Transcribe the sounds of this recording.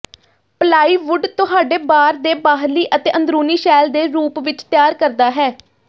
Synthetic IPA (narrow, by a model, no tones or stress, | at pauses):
pəlaːiːʋʊɖt̪ʊɦaːɖeːbaːɾd̪eːbaːɦliːʔət̪eːʔə̃nd̪ɾuːniːʃɛːld̪eːɾuːpʋɪt͡ʃt̪ɪjaːɾkəɾd̪aːɦɛː